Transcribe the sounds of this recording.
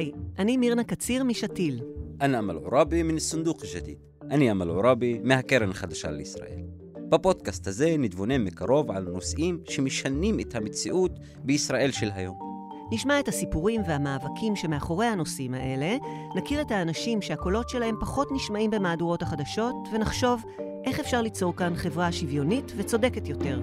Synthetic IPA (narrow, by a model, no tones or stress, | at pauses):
jʔanimiʁnakat͡siʁmiʃatilʔanama̰lʕoɾabiminsund̪uχiʃat̪ḭt̪ | ʔaniamalʕoɾabimehakeɾenχad̪aʃa̰leisʁa̰ʔḛl | b̥apo̞d̪kast̪haze̞nid̪vonemekaʁo̞vʕa̰lno̞sʔimʃemeʃanimet̪hamet͡siʔut̪ | beisʁaʔe̞lʃelɦajo̞m | niʃmae̞thasipuʁimve̞amaːvakʰimʃe̞me̞aχo̞ʁe̞jhano̞simaʔe̞le̞ | nakiʁethaːnaʃimʃeako̞lo̞tʃe̞lahe̞mpaχo̞tniʃmaʔimbe̞maːduʁo̞thaχadaʃo̞tve̞naχʃo̞v | ʔe̞χefʃaʁlit͡so̞ʁkanχe̞vʁaʃivjo̞nitve̞t͡so̞de̞ketjo̞te̞ʁ